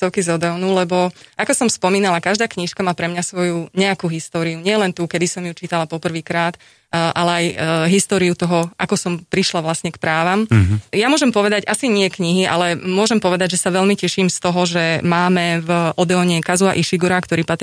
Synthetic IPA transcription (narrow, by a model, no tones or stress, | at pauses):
t̪ɔʊkizɔd̪ɛɔnulɛbɔʔakɔsɔmspɔmiːnalakaʒd̪aːkɲiʃkamaːpɾɛmɲasʋɔjuɲɛakuːɦist̪ɔːɾiuɲɪɛlɛnt̪ukɛd̪isɔmjut͡ʃit̪alapɔpr̩ʋiːkɾaːt̪ | ʔalɛajɦist̪ɔːɾiut̪ɔɦɔʔakɔsɔmpɾiʃlaʋlasɲɛkpɾaːʋamjamʊɔʒɛmpɔʋɛd̪aɟʔasiɲɪɛkɲiɦiʔa̰lɛmʊɔʒɛmpɔʋɛd̪aɟʒɛsaʋɛʎmicɛʃimst̪ɔɦɔʒɛmaːmɛvʔɔd̪ɛɔɲɛkazuaʔiʃiɡuɾakt̪ɔɾiːpat̪ɾ